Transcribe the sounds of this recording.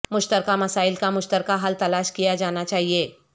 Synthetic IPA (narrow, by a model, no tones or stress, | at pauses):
mʊʃt̪əɾkamɐsaːɪlkamʊʃt̪əɾkaɦɐlt̪ɐlaːʃkijad͡ʒaːnat͡ʃaːɦieː